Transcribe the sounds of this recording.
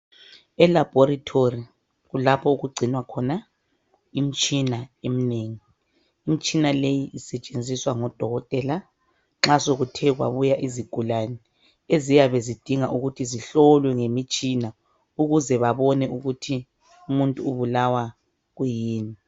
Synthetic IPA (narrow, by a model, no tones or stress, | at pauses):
ɛlab̥ʱoɾatʰori | ɣulapʰɔuɣuɡ͡ǀʱinwakʰɔna | im̩t͡ʃʼinaem̩neːŋiː | m̩t͡ʃʼinalejiʔːsɛt͡ʃʼend͡zʱiswaŋɔd̥ʱɔɣɔtʼɛla | ŋ͡ǁasoɣutʰɛɣwa̰βujaʔiziɡ̥ʱulanɛ | ezijaβezid̥ʱiŋaʔuɣutʰiziɬɔlwɛŋemit͡ʃʼina | uɣuzɛβaβɔnɛuɣutʰi | umuntʼuːβulawa | ɣujiːni